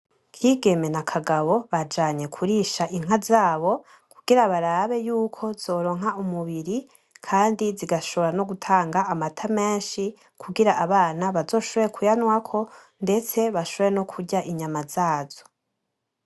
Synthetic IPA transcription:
kʰiːɡe̞me̞nakʰaɡaβo̞βad͡ʒaːɲe̞kʰuɾiʃaʔiŋ̥ɦazaːβo̞ | kuɡ̥iɾaβaɾaβe̞juːkʰo̞z̥o̞ːɾo̞ːŋɦaumuβiɾi | kʰaːndiziɡaʃo̞βo̞ɾano̞ɡutʰaːŋɡaːmatʰameːnʃi | kʰuɡiɾaʔaβaːnaβazo̞ːʃoβeekʰujanwakʰo̞ | nde̞t͡se̞βaʃoβeno̞kʰuɾɟaʔiɲamaz̥aːzo̞

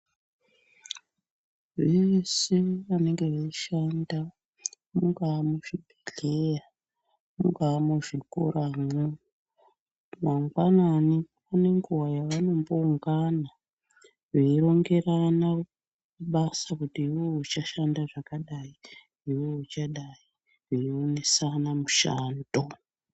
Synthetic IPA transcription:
ʋeseʋane̞ŋɡe̞ʋeiʃanda | muŋɡaːmuʐibʱiɮe̞ja | muŋɡaːmuʐiko̰ɾamo | maŋɡwanani | pane̞ŋɡuwajaʋano̞mbo̞uŋɡana | ʐeiɾo̞ŋɡe̞ɾana | kuɓasakutiiwout͡ʃaʃandaʐakaɗai | ɦiwout͡ʃaɗaji | ʐeione̞sanamuʃa̰ːndo

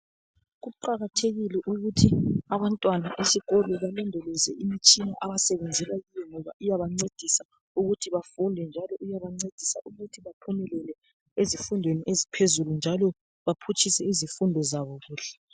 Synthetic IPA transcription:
ɣuǃaɣatʰeɣilɛʔuɣutʰiaβantʼwanaʔesiɣɔlɛβalɔndʱɛlɛzɛʔimit͡ʃʼinaʔaβasɛβɛnd͡zʱɛlajijɛŋɔβaʔujaβaŋ͡ǀed̥ʱisa | uɣutʰiβafundʱɛnd͡ʒʱalɔʔujaβaŋ͡ǀed̥ʱisa̰ʔuɣutʰiβapʰumɛlɛlɛ | ezifundʱweniʔezipʰezulund͡ʒʱalɔ | βapʰut͡ʃʰʼisɛizifundʱɔzaβɔɣuːɬɛ̥

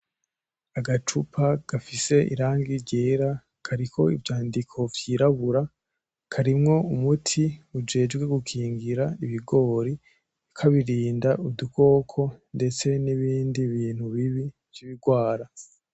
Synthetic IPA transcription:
aɡat͡ʃupʰaɡ̥afise̞ʔḭɾaːŋɡiɾɟeːɾa | kʰaɾikʰo̞ḭvjaːndikʰo̞vjiːɾaβuɾa | kʰaɾimŋo̞umutʰiud͡ʒe̞ːd͡ʒɡweɡukʰiːŋɡiɾaiβiɡo̞ːɾi | kʰaβiɾiːndaʔuduko̞ːkʰo̞nde̞t͡se̞niβiːndiβiːn̥huβiβi | vjiβiɡwaːɾa

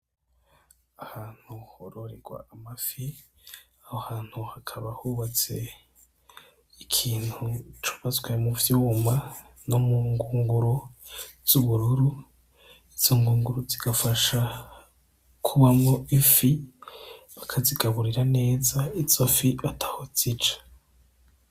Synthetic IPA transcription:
ahaːn̥huhoɾoɾeɡwa̰ːmafi | ahohaːn̥huhakʰaβahuːβat͡se̞ | ikʰiːnhut͡ʃo̥βazwemuvjuːma | nomuːŋɡuːŋɡuɾoz̥uβuɾuɾu | iz̥oŋɡuːŋɡuɾuziɡ̥afaʃa | kʰuβamŋoʔifi | βakʰaziɡaβuɾiɾane̞ːzaiz̥ofiβatʰḁhoz̥it͡ʃḁ

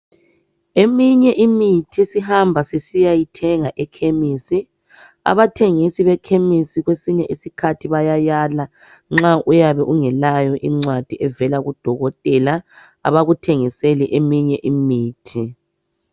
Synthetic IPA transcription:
emiɲɛʔimitʰisihambʱasisijajitʰɛŋaʔɛkʰemisi | a̰βatʰeŋisiβɛkʰemisiɣwesiɲɛʔisikʰatʰiβajajala | ŋ͡ǁaʔujaβɛʔuŋɛlajɔʔiŋ͡ǀwad̥ʱiʔɛvɛlaɣud̥ʱɔɣɔtʼɛla | a̰βaɣutʰeŋiseliʔemiɲɛʔimiːtʰi

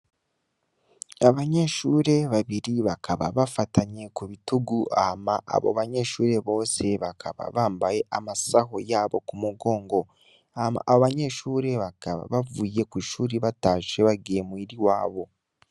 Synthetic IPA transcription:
aβaɲe̞ːʃuːɾe̞βaβiɾiβakʰaβa̰βafataɲe̞kuβituɡuʔahamaʔa̰βo̞̰βaɲe̞ːʃuːɾe̞βo̞ːse̞βakʰaβa̰βaːmbaje̞ʔamasaho̞jaːβo̞̰kumuɡo̞ːŋɡo̞ | ahama̰ːβoβaɲe̞ːʃuːɾe̞βakaβa̰βavuje̞kiʃuːɾiβataːʃe̞βaɡeemwiɾiwaːβo̞

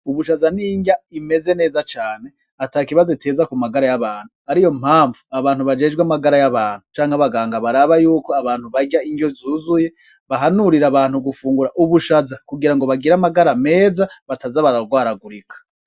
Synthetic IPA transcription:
uβuʃazaniːɲɟaime̞ze̞ne̞ːzat͡ʃaːne̞ | atakiβazoitʰe̞ːzakumaɡaɾajaβaːn̥huaɾijo̞m̥haːɱvuaβaːnhuβad͡ʒe̞ːʒɡwamaɡaɾajaβaːn̥hut͡ʃaːŋhaβaɡaːŋɡaβaɾaβajuːko̞aβaːn̥huβaɟaiɲɟo̞zuːzuje̞ | βaɦanuɾiɾaβaːnhuɡufuːŋɡuɾaʔuβuʃazakuɡiɾaŋɡo̞βaɡiɾamaɡaɾame̞ːzaβatazaβaɾaɾɡwaːɾaɡuɾikʰḁ

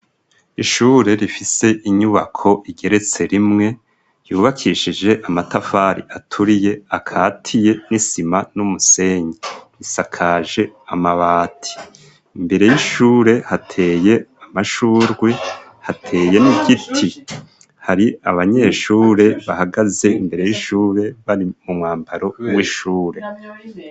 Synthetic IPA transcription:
iʃuːɾe̞ɾifise̞ʔiɲuβakʰo̞ʔiɡe̞ɾe̞t͡se̞ɾimŋe̞ | juːβakʰiʃid͡ʒe̞ʔamatafaɾḭʔatʰuɾije̞akʰaːtʰije̞nisimanumuse̞ɲeɾisakʰaːʒe̞amaβaːtʰi̥ | imbe̞ɾe̞jiʃuːɾe̞hatʰe̞ːje̞amaʃuːɾɡwe | hatʰe̞ːje̞niɡitʰi | haɾiaβaɲe̞ːʃuːɾe̞βahaɡaze̞imbe̞ɾe̞jiʃuːɾe̞βaɾimumŋaːmbaɾo̞wiʃuːɾe̞

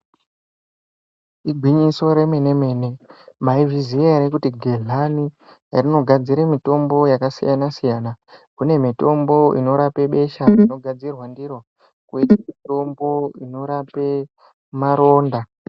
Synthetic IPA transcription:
iɡʱwiɲiso̞ɾe̞mene̞me̞ne̞maivizieɾekutiɡʱeɮanijarino̞ɡʱad͡ziɾemito̞mbo̞jakasḭjanasijaːnakune̞mito̞mbo̞ḭno̞ɾape̞ɓe̞ʃaino̞ɡʱad͡zirwandiro | kuitamito̞mbo̞ino̞ɾape | maɾo̞ːnda

